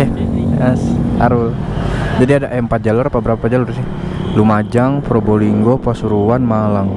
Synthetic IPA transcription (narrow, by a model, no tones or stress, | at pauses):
asa̰ɾʊld͡ʒadiadaʔɛmpat̪̚d͡ʒalʊrpabəɾapad͡ʒalursɪ | lumad͡ʒaŋpɾoboliŋɡopasuɾuwanmalaŋ